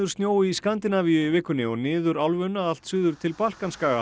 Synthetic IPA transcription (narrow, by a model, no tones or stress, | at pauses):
ðʏɾ̥st̪njoːwɪiskant̪ɪnaviʏvɪkːʏnɪɔnɪːðʏɾalvʏnːaðal̥t̪sʏːðʏɾ̥t̪ʰɪlpal̥kanskaːɣa